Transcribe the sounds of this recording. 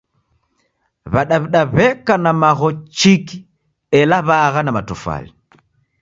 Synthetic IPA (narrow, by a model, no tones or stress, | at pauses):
βaɗaβiɗaβɛkanamaɣɔt͡ʃiki | ɛlaβaɣanamatufa̰li